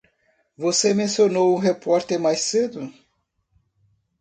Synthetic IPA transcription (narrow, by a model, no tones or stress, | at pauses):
vosemẽsionowũɦepɔɾt̪eɾmajssed̪ʊ